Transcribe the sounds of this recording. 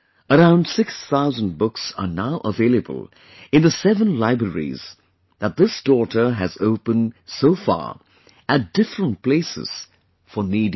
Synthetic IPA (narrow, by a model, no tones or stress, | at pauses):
əɾãʊ̃ndsɪksθaʊzə̃n̚bʊksə̰naʊʔəveːlˠəbə̰lˠ | ɨ̃nðəsɛvə̃nlaɪbɹəɹḭz | ðət̪̚ðɪsd̥ɔɾə˞ɦɨzoʊpə̃nsoʊfɑ̰ːɹ | æt̚d̥ɪfɾə̃nt̚pl̥eɪsɪ̰z̥ | fənidi